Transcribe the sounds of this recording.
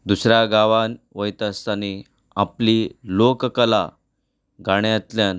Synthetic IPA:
d̪usɾaɡaʋanʋəjt̪əst̪ani | aplilokkəla | ɡaɳjat̪ljan

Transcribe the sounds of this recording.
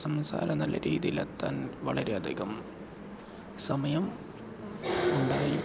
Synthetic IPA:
sɐmsa̰ːlʔɐnɐlːɐ̰ɾʔiːðijilɐ̰t̪ːaːnʋɐɭɐɾeɐd̪ʱiɣɐm | sɐmɐjɐm | uɳɖaːji

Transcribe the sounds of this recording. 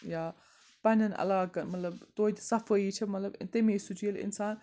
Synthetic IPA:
jaː | pɐnʲɐnɐ̰laːkɐmɐt̪lɐbt̪oːt̪sɐfəit͡ʃʰɐmɐt̪lɐbt̪emeːsut͡ʃiːlɪ̰nsaːn

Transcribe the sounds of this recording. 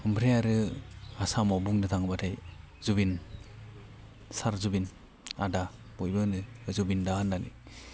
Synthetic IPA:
ɯmpʰɾejaɾɯasamɔbuŋnɯtʰaŋbatʰaj | zubin | saɾzubin | a̰da | b̥ɔjbɯnɯzubindahanːalḭ

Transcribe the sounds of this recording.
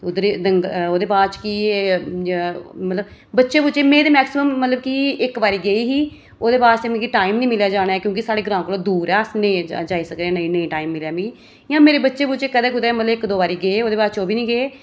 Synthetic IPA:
ʊd̪ɾed̪əŋɡoːd̪eːpaːɾt͡ʃki | mət̪ləb | bətːʃeːbʊt͡ʃeːmẽːd̪eːmɛːksɪməmːət̪ləbkiɪkbaːɾiːɡeiːɦiː | oːd̪eːpaːst̪eːmẽkiʈaːimniːmɪljaːd͡ʒaːɽ̃aɛːkjõːkɪsaːɽeːɡɾãːmklõːd̪uːɾɛːsneːd͡ʒaːiːsəkd̪eɛ̃ːnəĩːnə̃ĩːʈaːimːɪljaːbĩː | jãːmeːɾeːbətːʃeːbʊt͡ʃeːkəd̪ɛːkʊd̪ɛːmət̪ləbɪkd̪oːbaːɾiːɡeeːoːd̪eːpaːt͡ʃoːbiːnĩːɡeeː

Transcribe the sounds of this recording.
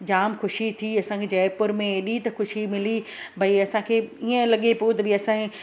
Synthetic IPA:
d͡ʑaːmxʊʃit̪ʰiɐsãkʰeːd͡ʑɐːpʊɾmẽeɗit̪ɐxʊʃimɪlibʱɐiɐsãkʰeːiə̃lɐɠepot̪ɐbɪɐsã

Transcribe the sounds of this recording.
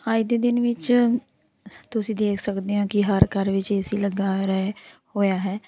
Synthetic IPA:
aːid̪eːd̪ɪnʋɪt͡ʃ | t̪ʊsĩːd̪eːkʰsəkd̪eːɦõːkɪɦəɾkəɾʋɪt͡ʃeːsiːləɡaːɾɛhoːjaːɦɛː

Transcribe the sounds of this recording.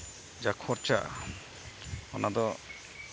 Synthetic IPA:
d͡ʒakʰɔɾt͡ʃa̰ | ɔnad̪ɔ

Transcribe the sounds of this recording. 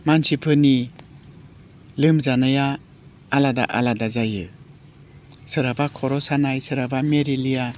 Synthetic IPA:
mansipʰɯni | lɯmzanɯjaː | lada̰ʔa̰ladazajɯ | sɯɾabakʰɔɾɔsanajsɯɾabameɾilija

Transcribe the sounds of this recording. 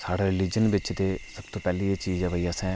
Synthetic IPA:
saːɽaɾɪliːd͡ʒənbɪt͡ʃt̪esəbt̪opɛːliet͡ʃiːd͡ʒɛ̃ːbʱəijaːsɛ̃

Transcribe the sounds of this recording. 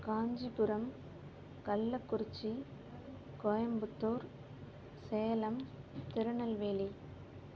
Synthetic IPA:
kaːɲd͡ʒipʊɾɐm | kɐlːɐkːʊɾɪt͡ʃːi | kɔjɐmbɯt̪ːoːɾ | seːɐlɐmt̪ɪɾɯɳɐlʋeːli

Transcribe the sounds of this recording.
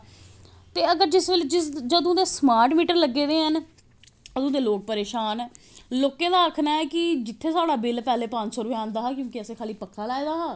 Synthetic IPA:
t̪eːəɡəɾd͡ʒɪsʋeld͡ʒɪsd͡ʒəd̪õːd̪eːsmaːɾʈmiːʈəɾləɡːeːd̪eːɦən | əd̪õːd̪eːloːk̚pəɾeːʃaːn | loːkẽːd̪aːəkʰnaːɛːkɪd͡ʒɪt̪ʰːeːsaːɽaːbɪlpɛːleːpənd͡ʒsɔːɾʊʋeːãːnd̪aːɦaːkjõːkɪəsẽːkʰaːliːpəkʰːaːlaːeːd̪aːɦaː

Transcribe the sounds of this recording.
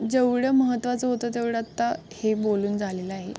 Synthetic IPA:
d͡zeʋɽəməɦət̪ːʋat͡səɦot̪ət̪eʋɽəat̪ːa | heboluːnd͡zʱaleləaɦe

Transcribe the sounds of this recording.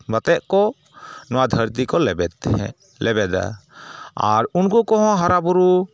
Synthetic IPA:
bat̪ɛʔkɔ | nɔwad̪ʱəɾt̪ikɔlɛbɛd̪̰ | lɛbɛd̪a̰ | a̰ɾunkukɔɦɔ̃ɦaɾabuɾu

